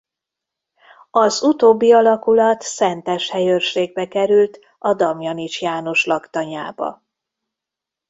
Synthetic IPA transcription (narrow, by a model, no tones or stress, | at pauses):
ɒzut̪oːbːiɒlɒkulɒt̪sɛnt̪ɛʃhɛjørʃeːɡ̚bɛkɛɾylt̪ | ɒd̪ɒmjɒnit͡ʃjaːno̞ʃlɒkt̪ɒɲa̰ːbɒ̰